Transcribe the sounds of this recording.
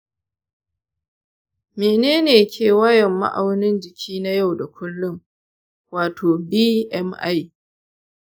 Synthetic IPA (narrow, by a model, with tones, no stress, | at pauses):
meː˨neː˦neː˨kʲʰeː˨wɐ˦jɛ˨mːa̰˦ʔa˨wnɪ˦nd͡ʒɪ˨kʲʰiː˦na˦ja˦wda˨kʷʊ˦lːʊ˦ŋ | waː˨tʰoː˨biː˦ʔɛ˦mʔa̰˦j